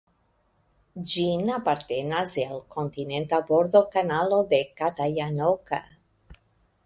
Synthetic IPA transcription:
d͡ʒinapaɾt̪enazelkʰont̪inẽnt̪aboɾðokanaloðekat̪ajanoka̰

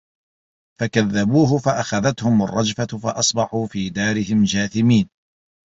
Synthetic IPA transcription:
fakaðːabuːɦʊfaʔaxaðat̪hʊma̰rˤːɑd͡ʒfafɑ̰ʔɑsˤbɑħuːfiːd̪aːɾɪɦɪmd͡ʒaːθɪmiːn

